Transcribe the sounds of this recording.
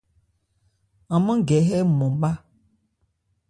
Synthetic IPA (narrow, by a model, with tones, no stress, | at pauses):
ã˨mə̃˦ɡɛ˨ɦɛ˦mɔ̃˨ɓa˦